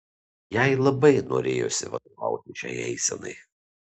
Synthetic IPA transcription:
jæɪlˠɐbɐɪno̰ːɾʲḛːjo̰sʲɪ̰ʋɐ̰d̪oʋɑ̰ˑʊt̪ʲɪʃʲɛ̰ɪɛ̰ɪsʲɛnɐ̰ɪ

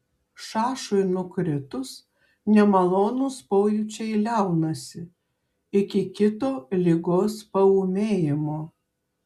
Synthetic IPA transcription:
ʃɑːʃʊjnʊkɾʲɪt̪ʊs | nʲɛmɐlˠoːnʊspɔːjʊt͡ʃʲɛɪlʲæˑʊnɐsʲɪ | ɪkʲɪkʲɪt̪oːlʲɪɡoːspɐuːmʲeːjɪmoː

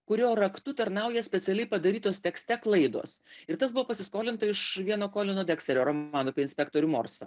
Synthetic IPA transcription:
kʊɾʲoːɾɐkt̪ʊt̪ɐɾnɑˑʊjɛsʲpʲɛt̪sʲɛlʲɛɪpɐd̪ɐɾʲiːt̪oːst̪ʲɛksʲt̪ʲɛklˠɐɪd̪o̰ːsɪɾt̪ɐsbʊʋoːpɐsʲɪskoːlʲɪnt̪ɐɪʃʋʲiɛnoːkoːlʲɪnoːd̪ʲɛːksʲt̪ʲɛɾʲoːɾoːmɑːnʊpʲeɪnʲspʲɛk̚t̪oːɾʲʊmo̰ːɾsɐ

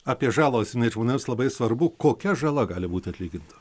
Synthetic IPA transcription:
ɑːpʲiɛʒɑːlˠoːsʲjɪnɐɪʒmoːnʲeːmslˠɐbɐɪsʋɐɾbʊkoːkʲɛʒɐlˠɐɡɑːlʲɪbuːt̪ʲɪɐt̪ʲlʲiːɡʲɪnt̪ɐ̥

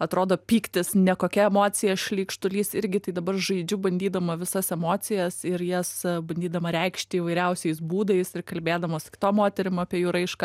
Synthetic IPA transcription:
ɐt̪ɾoːd̪oːpʲiːkt̪ʲɪsnʲɛkoːkʲɛɛmoːt͡sʲɪjɛʃʲlʲiːkʃt̪ʊlʲiːsɪɾʲɡʲɪt̪ɐɪd̪ɐbɐrʒɐɪd͡ʒʲʊbɐnʲd̪ʲiːd̪ɐmɐʋʲɪsɐsɛmoːt͡s̪ʲɪjɛsɪɾjɛsbɐnʲd̪ʲiːd̪ɐmɐɾʲɛɪkʃʲt̪ʲɪiːʋɐɪɾʲɛʊsʲɛɪs̬buːd̪ɐɪsɪrkɐlʲbʲeːd̪ɐmoːskʲɪ̥t̪oːmoːt̪ʲɛɾʲɪmɐpʲiɛjuːɾɐɪʃkɑ

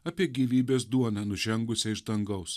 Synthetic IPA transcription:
ɐpʲiɛɡʲiːʋʲiːbʲeːsd̪uɔnʲɐnʊʒʲɛŋɡʊsʲɛɪʒd̪ɐŋɡɐʊs

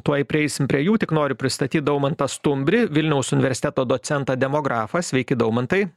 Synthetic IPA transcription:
t̪uɔɪpʲɾʲɪɛɪsʲɪmpʲɾʲiɛjuːt̪ʲɪknoːɾʲʊpʲɾʲɪst̪ɐt̪ʲiːt̪d̪ʊmɐnt̪ɐst̪ʊmʲbʲɾʲɪʋʲɪlʲnʲɛʊsʊnʲɪʋʲɛɾʲsʲɪt̪ʲɛt̪oːd̪oːt͡s̪ʲɛnt̪ɑːd̪ʲɛmoːɡɾɑːfɐsʲʋʲɛɪkʲɪd̪ɐʊmɐnt̪ɐɪ

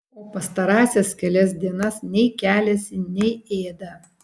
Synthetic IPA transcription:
oːpɐst̪ɐɾɑːsʲɛskʲɛlʲɛs̬d̪ʲiɛnɐsnʲɛɪkʲæːlʲɛsʲɪnʲɛɪeːd̪ɐ

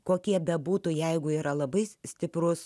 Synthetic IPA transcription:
koːkʲiɛbʲɐbuːt̪ʊjɛɪɡʊiːɾɐlˠɐbɐɪsʲt̪ʲɪpɾʊs

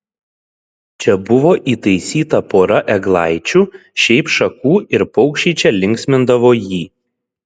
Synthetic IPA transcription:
t͡ʃʲɛbʊʋoːʔiːt̪ɐɪsʲiːt̪ɐpoːɾɐʔɛɡlˠɑˑɪt͡ʃʲuːʃʲɛɪpʃɐkuːɪɾpɒʊkʃʲiːt͡ʃʲɛlʲɪŋʲksʲmʲɪnd̪ɐʋoːjiː

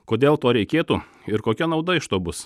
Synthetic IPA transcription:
koːd̪ʲeːlˠt̪oːɾʲɛɪkʲeːt̪u | ɪɾkoːkʲɛnɒʊd̪ɐɪʃt̪oːbʊs

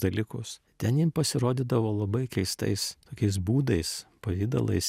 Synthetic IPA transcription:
d̪ɐlʲiːkʊs | t̪ʲɛnjimpɐsʲɪɾoːd̪ʲɪd̪ɐʋoːlˠɐbɐɪkʲɛɪst̪ɐ̰ɪst̪oːkʲɛɪs̬buːd̪ɐɪspɐʋʲiːd̪ɐ̰lˠɐ̰ɪs

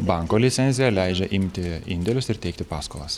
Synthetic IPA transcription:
bɑˑŋkoːlʲɪt̪sʲɛnʲzʲɪjɛlʲæˑɪd͡ʒʲɛʔɪmʲt̪ʲɪɪnʲd̪ʲɛlʲʊsɪɾt̪ʲɛɪkt̪ʲɪpɑːskolˠɐs

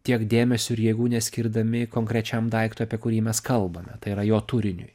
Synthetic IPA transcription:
t̪ʲiɛkd̪ʲeːmʲɛsʲʊɪɾjɛɡuːnʲɛsʲkʲɪɾd̪ɐmʲɪkoːŋkɾʲɛt͡ʃʲɛmd̪ɐɪkt̪ʊɐpʲiɛkʊɾʲiːmʲɛskɐlˠbɐmʲɛt̪ɐɪiɾɐjoːt̪ʊɾʲɪnʲʊj

